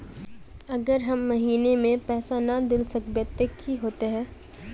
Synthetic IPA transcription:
ɐɡəɾɦɐmːɐɦiːnemẽpɛːsanɐd̪ɪlsɐkbət̪ekiɦoːt̪eɦɛ̃ː

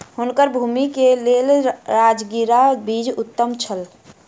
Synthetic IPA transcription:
hunkəɾbʱumikelelɾad͡ʒɡiɾabid͡ʒut̪ːəmt͡ʃʰəl

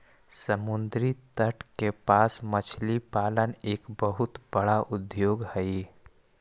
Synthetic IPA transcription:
səmʊnd̪ɾit̪əʈʰkepasmət͡ʃʰlipaləneːkbəɦut̪bəɽaʔʊd̪joɡhəi

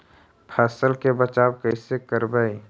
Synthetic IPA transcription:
pʰɛːsəlkebət͡ʃaːbkəɪsekəɾbəi

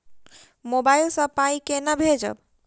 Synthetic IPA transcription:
mobajlsɔpaikenabʱed͡ʒɔ̰b

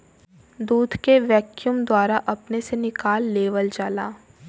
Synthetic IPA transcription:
d̪uːd̪ʱkeʋɛːkjuːmd̪waːɾaʔɐpnesenɪkaːlːeːʋəld͡ʒaːlaː

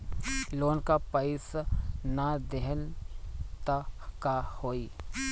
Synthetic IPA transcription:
loːnkapɐɪsnad̪eɦən | t̪akahoːi

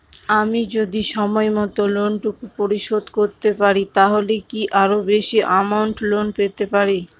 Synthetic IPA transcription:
amid͡ʑod̪iʃɔmɔemɔt̪olonʈukupoɾiʃod̪koɾt̪epaɾit̪aɦolekiʔaɾobeʃiʔamawnʈlonpet̪epaɾi

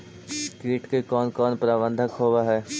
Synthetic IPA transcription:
kiːʈkekɔːnkɔːnpɾaːbə̃nd̪ʱəkɦoːʋaɦɛː

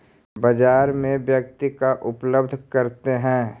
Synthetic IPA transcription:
bəd͡ʒaːɾmẽbjək̚t̪ikaʔʊpləbd̪ʱkɐɾt̪eɦɛ̃ː

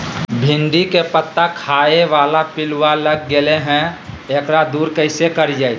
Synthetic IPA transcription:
bʱɪ̃nd̪ikepət̪ːakʰaːeʋaːlapɪlwaləɡːeleɦɛ̃ | eːkɾad̪uːɾkəɪsekəɾid͡ʒaːi

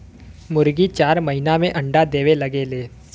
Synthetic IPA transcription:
mʊɾɡit͡ʃaːɾmɐɦɪnamẽʔɐ̃ɳɖad̪eːʋelɐɡeleː

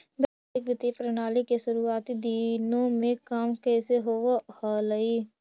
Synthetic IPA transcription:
bɛ | ɪkʋɪt̪ipɾɐnaːlikesʊɾuaːt̪id̪iːnõmẽkaːmkɛːseɦoːʋahaləiː

